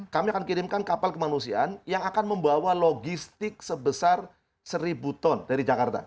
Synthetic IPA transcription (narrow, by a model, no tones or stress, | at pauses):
kamiakankiɾɪmkankapalkəmanusia̰ʔanjaŋakanməmbawaloɡist̪ɪk̚səbəsar | səɾibut̪ɔndaɾid͡ʒakart̪a̰